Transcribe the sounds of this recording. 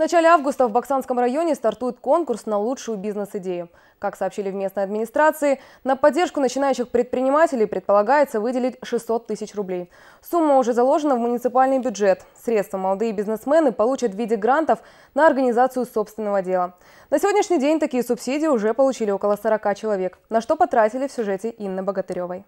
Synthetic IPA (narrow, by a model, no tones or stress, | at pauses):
vnɐt͡ɕalʲɪavɡʊst̪əvbɐksanskəmrɐjo̞nʲɪst̪ɐrt̪ujɪt̪̚ko̞nkʊrsnɐlˠut͡ʂʂʊjʊbʲiznɨsɪdʲejʊ | kaksɐːpɕilʲɪvmʲe̞snəjɐd̪mʲɪnʲɪst̪ɾat̪sɨɪ | nəpɐdʲːe̞rʂkʊnət͡ɕɪnajʉɕːɪxpɾʲɪt̪̚pɾʲɪnʲɪmatʲɪlʲɪjpɾʲɪt̪pəlˠɐɡajɪt̪səvɨdʲɪlʲɪtʲʂɨsːo̞t̪ːɨsʲɪt͡ɕrʊblʲej | sumːəʊʐɛzɐlˠo̞ʐɨnəvmʊnʲɪt̪sɨpalʲnɨjbʲʊdʐɛt̪sɾʲet̪st̪vəmɐlˠɐd̪ɨjəbʲɪznɨsmɛnɨpɐlˠut͡ɕət̪vʲidʲɪɡɾant̪əf | nəɐrɡənʲɪzat̪sɨjʊso̞pst̪vʲɪnːəvədʲe̞lˠə | nəsʲɪvodʲnʲɪʂnʲɪjdʲenʲt̪ɐkʲijəsʊpsʲidʲɪjʊʐɛpəlˠʊt͡ɕilʲɪo̞kəlˠəsəɾɐkat͡ɕɪlˠɐvʲeknɐʂt̪o̞pɐt̪ɾatʲɪlʲɪfsʲʊʐɛtʲɪʔinːəbəɡət̪ɨɾʲovəj